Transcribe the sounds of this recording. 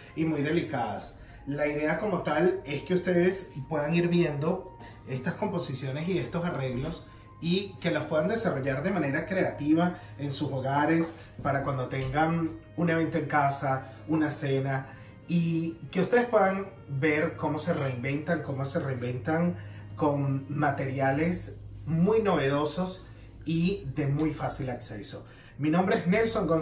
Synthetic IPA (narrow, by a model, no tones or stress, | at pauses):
imujðe̞likaðas | laiðe̞ako̞mo̞t̪ale̞ske̞ust̪e̞ðe̞spwe̞ðaŋiɾβje̞nd̪o̞ | e̞st̪asko̞mpo̞sisjo̞ne̞sie̞st̪o̞sare̞ɣlo̞s | ike̞lospwe̞ðand̪esaro̞ʝaɾðe̞mane̞ɾakɾe̞at̪iβa | e̞nsuso̞ɣaɾe̞s | paɾakwand̪o̞t̪e̞ŋɡaŋ | une̞β̞e̞nt̪o̞ẽ̞ŋkasa | unase̞na | ike̞ust̪e̞ðe̞spwe̞ðaŋ | be̞ɾko̞mo̞se̞reimbe̞nt̪aŋko̞mo̞se̞reimbe̞nt̪aŋko̞ŋmat̪e̞ɾjale̞smujno̞β̞e̞ðo̞so̞s | iðe̞mujfasilakse̞so̞ | minombɾe̞ezne̞lsoŋɡo